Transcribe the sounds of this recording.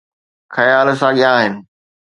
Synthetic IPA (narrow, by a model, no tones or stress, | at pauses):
xɐjaːl̆sãɠɪãːɦɪnɪ̆